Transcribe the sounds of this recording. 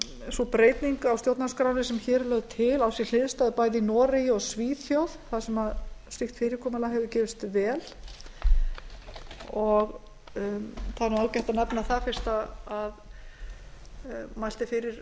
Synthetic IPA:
supɾeːjt̪niŋkawst̪jowt̪naskɾawnɪsɛmçɛɾlœɣðt̪ʰɪlawsjɛl̥ɪðst̪aðʏpaːjðɪinɔːɾɪjɪɔɣsviːθjowðθaðsɛmaðst̪ɪxt̪fɪːɾɪɾkʰɔːmalaɦɛvðʏcɛːvɪst̪vɛːl̥ | ɔɣ | θaðnuawcɛht̪anɛpnaθafɪr̥st̪aað | majl̥t̪ɪfɪɾɪɾ̥

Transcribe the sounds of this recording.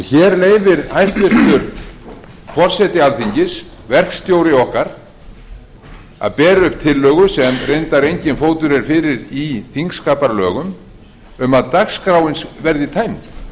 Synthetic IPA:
çɛːɾleːjvɪɾajst̪vɪr̥t̪ʏɾ | fɔr̥sɛt̪ɪalθiɲcɪs | vɛr̥kst̪jowɾɪɔhkaɾ̥ | a̰ðpɛːɾʏhpt̪ʰɪlːœːɣʏsɛmrejnt̪aɾejɲcɪnfoːwt̪ʏɾɛɾ̥fɪːɾɪɾiθiŋkskaːpaɾlœ̰ːɣʏm | ʏmaðt̪akskɾawɪnsvɛɾðɪt̪ʰaːjmt̪

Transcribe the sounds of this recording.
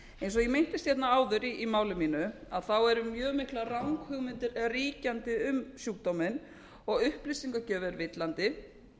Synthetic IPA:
ẽjnsɔjɛmejn̥t̪ɪst̪çɛt̪naaːwðʏɾiʔimaːwlɪmiːnʏaðθawɛɾʏmjœːɣmɪhklarawŋkhʏɣmɪnt̪ɪɾriːcant̪ɪʏmsjuːkt̪omɪn | ɔɣʏhplisiŋkacɛːvɪɾvɪt̪lant̪ɪ

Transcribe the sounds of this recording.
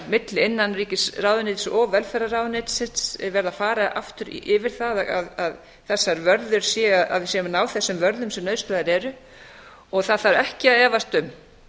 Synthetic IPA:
mɪt̪lɪɪnːanriːcɪsraːwðʏnɪːt̪sɔvɛlfɛɾaraːwðʏnɪt̪sɪt̪sɛɾvɛɾðafaːɾaʔa̰ft̪ʏɾɪvɪɾ̥θaða̰ðað | θɛsːaɾvœɾðʏɾ̥sjɛaða̰ðvɪsjɛmnaːwθɛsːʏmvœɾðʏmsɛmnœːɥst̪laðɪɾɛɾʏ | ɔɣθaðθaɾɛhcɪaðɛːvast̪ʏm

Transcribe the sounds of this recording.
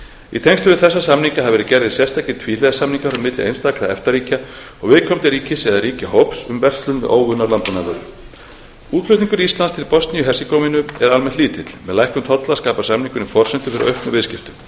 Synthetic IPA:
ḭt̪ʰeŋst̪ʏvɪɾθɛsːasamniŋkaɦavɛɾɪcɛɾðɪðsjɛ̥st̪acɪt̪ʰviːlɛðasamniŋkafɾamɪt̪lɪḛjnst̪aːkɾaɛ̰ft̪aɾiːca | ɔɣvɪðkʰɔmt̪ɪɾiːcɪsɛðaɾiːcaɦowpsʏmvɛr̥st̪lʏn̰ʔoːwɣʏnːaɾlant̪ɔnavœɾʏ | uːt̪lœht̪niŋkʏɾist̪lanst̪ʰɪlpɔst̪nijʏɦɛrsikowmɪnʏɛɾalmɛh̪t̪liːt̪ɪt̪l̥mɛ̰ðlajhkʏmt̪ʰɔt̪laskaːpasamniŋkʏnifɔr̥sɛnt̪ʏfɪɾɪɾœhpnʏvɪðscɪft̪ʏm

